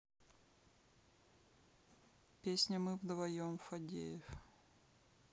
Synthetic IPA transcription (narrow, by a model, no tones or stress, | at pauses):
pʲesʲnʲəmɨvd̪vɐjomfɐdʲḛjɪf